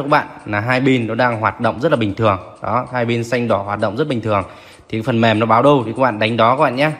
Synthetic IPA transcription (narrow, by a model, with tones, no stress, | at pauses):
kə˦˥ɓa̰ː˧˨nlaː˨˩ɦaː˧jɓi˧nnɔ˨˦ɗaː˧ŋɦwaː˨˩t̚ɗə̰˧˨wŋ͡mzə˦˥t̚laː˨˩ï˨˩ŋ̟t̪ʰɨ˨˩əŋɗɔ˨˦haː˧jɓi˧nsa˧jŋ̟ɗɔ˧˩hwaː˨˩t̚ɗə̰˧˨wŋ͡mzə˦˥t̚ɓi˨˩ŋ̟t̪ʰɨ˨˩əŋ | t̪ʰi˨˩a˨˦fə˨˩nmɛ˨˩mnɔ˨˦ɓaː˨˦wɗə˧wt̪ʰi˨˩kaː˦˥ɓa̰ː˧˨nɗa˨˦jŋ̟ɗɔ˨˦kaː˧˦˥ɓa̰ː˧˨ɲaː˧